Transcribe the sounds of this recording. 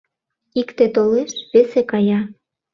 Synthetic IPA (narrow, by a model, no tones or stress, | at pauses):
ikt̪et̪oleʃβesekɑjɑ